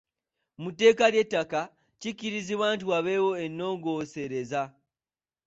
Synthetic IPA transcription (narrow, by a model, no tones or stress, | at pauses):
mute̞ːkaljetːaka | ciciɾiziβaːntuaβe̞wo̞e̞nːo̞ːŋɡo̞se̞ɾe̞za